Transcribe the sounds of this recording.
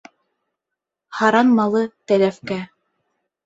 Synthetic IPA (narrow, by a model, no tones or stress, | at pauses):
hɑɾɑnmɑlˠɤt̪ælæfkæ